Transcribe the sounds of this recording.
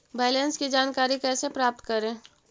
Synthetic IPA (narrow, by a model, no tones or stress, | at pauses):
bɛːlenskid͡ʒaːnkaːɾikɛːsepɾaːp̚t̪kɐɾẽː